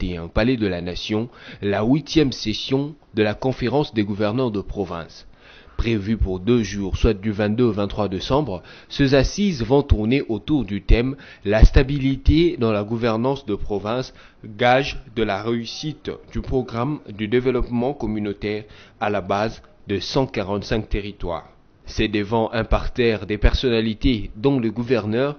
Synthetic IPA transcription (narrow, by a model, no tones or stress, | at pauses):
t̪eɛ̃palɛd̪əlanasjɔ̃lawit̪jɛmsesjɔ̃d̪əlakɔ̃feʁɑ̃sd̪eɡuvɛʁnœʁd̪əpχɔvɛ̰̃s | pχevypuʁd̪øʒuːʁswat̪̚d̪yvɛ̃t̪̚d̪øovɛ̃t̪χwad̪esɑ̃bʁ | sezasizvɔ̃t̪uʁneʔot̪uʁd̪yt̪ɛm | last̪abilit̪ed̪ɑ̃laɡuvɛʁnɑ̃sd̪əpχɔvɛ̃s | ɡaʒd̪əlaʁeysit̪d̪ypχɔɡʁamd̪yd̪evəlɔpmɑ̃kɔmynot̪ɛʁalabaz | d̪əsɑ̃kaʁɑ̃t̪sɛ̃k̚t̪eʁit̪wa̰ːʁ | sɛd̪əvɑ̃ʔɛ̃paʁt̪ɛʁd̪epɛʁsɔnalit̪ed̪ɔ̃ləɡuvɛʁnœʁ